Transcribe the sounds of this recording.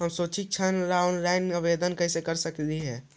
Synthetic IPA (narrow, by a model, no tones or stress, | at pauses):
ɦəmsot͡ʃʰik̚t͡ʃʰənɾaʊɳɖɾaɪnəʋed̪ənkəisekəɾsəkliɦɛ̃